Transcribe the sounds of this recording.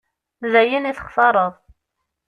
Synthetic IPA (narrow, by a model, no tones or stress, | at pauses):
zæjəniθə̥χθɑɾˤəðˤ